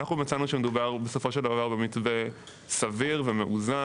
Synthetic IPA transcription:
naχumat͡sanuʃemedubaʁbeso̞fo̞ʃe̞ld̪avavaʁbemitve | saviʁvemeʔuza

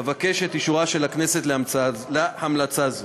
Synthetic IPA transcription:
vake̞ʃet̪iʃuʁaʃelakne̞se̞t̪leamt͡sazlehamlat͡saz

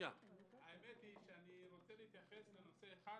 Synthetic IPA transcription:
aaemet̪iʃeaniɾo̞t͡seliit̪jaχe̞sleno̞seːχa

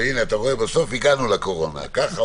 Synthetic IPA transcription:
inat̪aʁoebaso̞fiɡanulako̞ʁo̞na̰kaχa

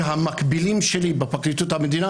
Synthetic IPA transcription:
ɦamakbilimʃelibepaklit̪ut̪hamed̪ina

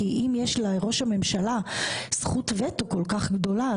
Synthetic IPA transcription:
iʔimjeʃlajʁo̞ʃhame̞mʃalasχutvetoko̞lkaχɡdo̞la

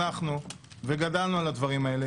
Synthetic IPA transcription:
aχnu | veɡadalnualad̪vaʁimae̞le

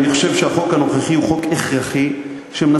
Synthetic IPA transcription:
niχo̥ʃevʃeaχo̞khanoχaχiuχokeχʁaχi | ʃemna

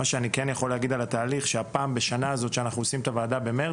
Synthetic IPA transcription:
aʃeanikenjaχo̞leaɡid̪alat̪aːliχʃeapaːmbe̞ʃanaːzo̞t̪ʃeanaχnuosimt̪avaːd̪abe̞me

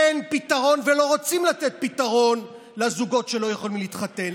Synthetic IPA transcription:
enpit̪aʁo̞nvelo̞ʁo̞t͡simlat̪et̪̚pit̪aʁo̞n | lazuɡo̞tʃe̞lo̞jaχolimlit̪χat̪en

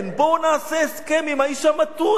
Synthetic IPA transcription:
nbonaːseeskemimhaiʃamat̪u

